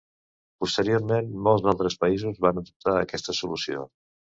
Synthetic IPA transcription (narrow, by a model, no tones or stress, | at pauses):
pust̪əɾioɾmenmɔlˠzðalˠt̪ɾəspəizuzβanəðup̚t̪aəkɛst̪əsulusio̰